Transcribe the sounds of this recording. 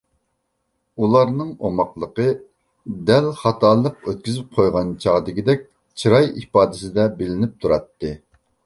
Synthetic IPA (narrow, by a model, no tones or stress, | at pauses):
ulˠɑɾnɨŋomɑqlˠəqə | d̪ɛlχɑt̪ʰɑːlˠəqøt̪̚kʲyzyp̚qʰojʁɑnt͡ʃʰɑʁd̪ɪkʲid̪ɛk̚ʲ | t͡ʃʰiɾɑjipɑːd̪ɪsɪd̪ɛbɪlɪnɪp̚t̪ʰuɾɑt̪ːɨ